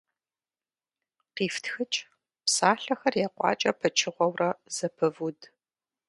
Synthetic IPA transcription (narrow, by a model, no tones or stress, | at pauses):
qiːftxɨt͡ʃʼ | psaːɬɐxɐrjɛqʷʼɑ̰ːt͡ʃʼɐpʰɐt͡ʃʰɪʁʷɔwrɐz̥ɐpʰɨvud